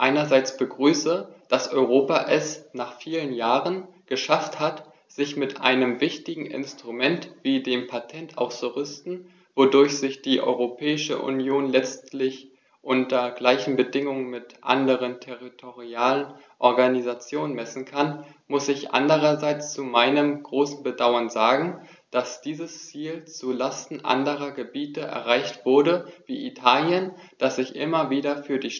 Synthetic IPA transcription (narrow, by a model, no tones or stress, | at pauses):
ʔaɪnɐzaɪt͡sb̥əɡʁyːsəd̥asʔɔʏʁ̞oːpaʔɛsnaːχfiːlənjaːʁənɡ̥əʃafthat | z̥ɪçmɪtʔa̰ɪnəmvɪçtɪɡŋ̩ʔɪ̰nstʁ̥umɛntv̥iːdeːmpʰatʰɛnta̰ʊsoʁɪstn̩ | vodʊɐçz̥ɪçd̥iːʔɔ̰ʏʁopʰɛːɪʃə̰ʔṵnjoːnlɛt͡stlɪç | ʔʊntɐɡlaɪçn̩bədɪŋʊŋənmɪtʔa̰ndəʁ̞əntʰɛʁitʰoʁiaːlən | ʔɔɐɡanizat͡sjoːnənmɛsn̩kʰanmʊsɪçʔa̰ndəʁɐzaɪt͡st͡sumaɪnəmɡʁoːsn̩bədaʊɐnzaːɡŋ̩ | d̥asd̥iːzəst͡siːlt͡sulastn̩ʔa̰ndəʁɐɡəbiːtəʔɛ̰ɐʁaɪçtv̥ʊɐdəvḭːʔḭtʰaːljənd̥asz̥ɪçʔɪ̰mɐviːdɐfyːɐdiːʃ